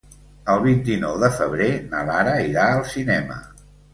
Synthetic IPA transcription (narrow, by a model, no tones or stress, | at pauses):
əlˠβ̞int̪inɔwðəfəβ̞ɾenəlaɾəiɾaəlˠsinɛmə̰